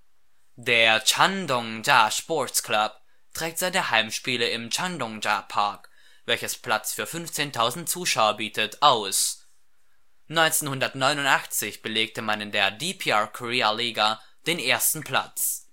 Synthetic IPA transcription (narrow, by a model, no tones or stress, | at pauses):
d̥eːɐt͡ʃandɔŋd͡ʒaʃpɔɐtsklap̚ | tʁ̥ɛːk̚tz̥aɪt̚d̥eːɐhaɪmʃpiːləɪmt͡ʃandɔŋd͡ʒapʰaɐk | v̥ɛlçəspʰl̥at͡sfyːɐfʏnft͡seːntʰaʊzn̩t̚t͡suːʃaʊɐbiːtʰətʔaʊs | nɔʏnt͡seːnhʊndɐtnɔʏnʊntʔaχt͡sɪçb̥əleːk̚təmanɪndeːɐdipʰiakʰɔʁiːaliːɡa | d̥eːnʔeːɐstn̩pʰl̥a̰t͡s